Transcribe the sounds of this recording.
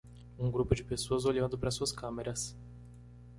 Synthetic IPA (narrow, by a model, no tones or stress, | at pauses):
ũɡɾupʊd͡ʒɪpesoɐzoʎɐ̃nd̪ʊpɾɐsuɐskɐ̃meɾɐs